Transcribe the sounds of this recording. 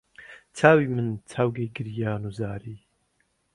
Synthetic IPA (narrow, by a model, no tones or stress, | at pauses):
t͡sʰaːwiːmɨnt͡sʰawɡeːɡɨɾjaːnuzaːɾiː